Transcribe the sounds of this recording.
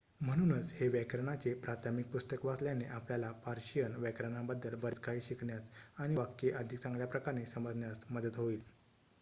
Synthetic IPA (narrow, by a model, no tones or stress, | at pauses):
m̤əɽ̃uːnət͡sheʋɛkɾəɳat͡sepɾat̪ʰamik̚pust̪əkʋasljaneʔapljalapaɾɕijənʋɛkɾəɳabəd̪ːəlbəɾd͡zkaiːɕikɳjat͡saɽ̃iʋakːeʔəd̪ʱikt͡sãŋɡljapɾəkaɾnesəməd͡zʱnjasməd̪ət̪ɦoiːl